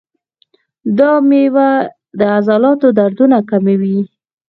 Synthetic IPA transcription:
d̪ɑmewa | d̪əazɑlɑt̪od̪aɾd̪unakamawi

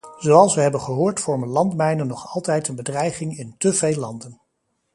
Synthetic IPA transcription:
z̥owɑlˠsʋəɦɛbənχəɦʊːɹtfɔɹmənlɑntmɛjnənːɔχɑlˠtɛjtənbədrɛjχɪŋɪntəvejlːɑndən

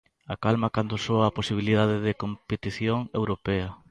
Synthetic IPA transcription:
akalmakand̪ʊsoɐːposiβ̞iliðaðɪðɪkompet̪iθjoŋewɾopeɐ

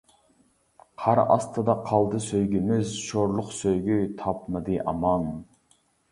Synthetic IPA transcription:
qʰɑɾɑ̰st̪ʰɑd̪ɑqʰɑlˠd̪ɨsøjɡʲymɪzʃoɾlˠʊqsøjɡʲyt̪ʰɑpmɨd̪ɨʔɑ̰mɑn

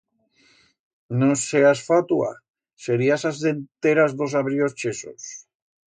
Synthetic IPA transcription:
noseasfat̪ua̰ | seɾiasazðe̞nt̪eɾazðo̞saβɾio̞st͡ʃe̞so̰s

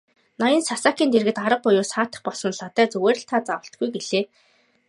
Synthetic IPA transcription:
najə̆nsasaːkiːnt̪erɣɘ̆t̪aɾə̆q̚pʊjʊːsaːt̪ə̥̆χpɔɮsɞ̆nɮat̪æːt͡sɵweːɾ̆ʲɬt̪ʰaːt͡sawə̆ɬt̪̚ɡujɡeɮeː

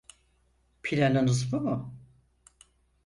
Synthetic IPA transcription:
pʰilʲanɯnɯzbumʊ

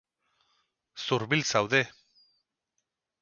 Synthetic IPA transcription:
suɾβilt͡sawðe̞

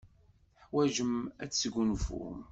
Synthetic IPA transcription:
ħwæʒəmæt͡sːɡʷunfṵm

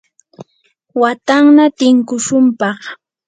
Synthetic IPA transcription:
wat̪aŋnat̪ɪŋkʊʃʊmpɑχ

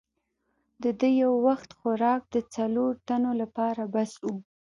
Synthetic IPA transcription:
d̪əd̪əjawːaxt̪xʊɾɑk̚d̪ət͡saloɾt̪anolapɑɾabasu

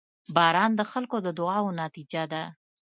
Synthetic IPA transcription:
bɑɾɑnd̪əxalkod̪əd̪ʊɑwonɑt̪id͡ʒad̪a

